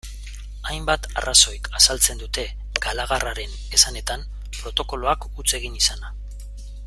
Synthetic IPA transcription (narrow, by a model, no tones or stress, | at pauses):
ajmbat̪a̰raso̞jkasalt͡se̞nd̪ut̪e̞ | ɡalaɣaraɾe̞n | e̞sane̞t̪am | pɾo̞t̪o̞ko̞loakut͡se̞ɣ̞inisana